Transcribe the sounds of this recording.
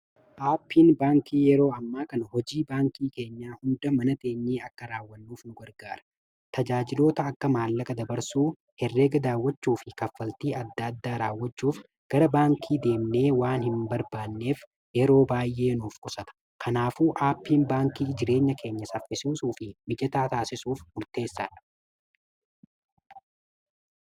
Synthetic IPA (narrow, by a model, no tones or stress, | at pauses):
ʔaːpːiːnbaːŋkiːjɛɾo̞ːɐmːaːkɐnɐhɔd͡ʒiːbaːŋkiːke̞ːɲːaːhʊnd̪ɐmɐnɐd̪e̞ːɲːiːɐkːɐɾaːwːɐnːuːfnʊɡɐɾɡaːɾɐ̥ | t̪ɐd͡ʒaːd͡ʒɪlo̞ːt̪ɐːkːɐmaːlːɐkʼɐd̪ɐbɐɾsuː | hɛrːe̞ːɡɐd̪aːwːɐt͡ʃːuːfɪkɐfːɐlt̪iːʔɐd̪ːɐɐd̪ːaːɾaːwːɐt͡ʃːuːf | ɡ̥ɐɾɐbaːŋkʰiːd̪e̞ːmne̞ːwaːnhɪmbɐɾbaːnːe̞ːf | jɛɾo̞ːbaːjʔe̞ːnuːfkʼɔsɐt̪ɐ̥ | kʰɐnaːfuːʔaːpːiːnbaːŋkiːd͡ʒɪɾe̞ːɲːɐkʰe̞ːɲːɐsɐfːɪsuːsuːfɪmɪd͡ʒɛt̪aːt̪aːsɪsuːfmʊɾt̪e̞ːsːa̰ᶑɐ̥